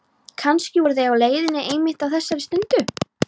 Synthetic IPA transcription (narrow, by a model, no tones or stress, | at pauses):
kʰanscɪvɔɾθejawleːjðɪnːɪʔejmɪht̪awθɛsːaɾɪst̪ʏnt̪ʏ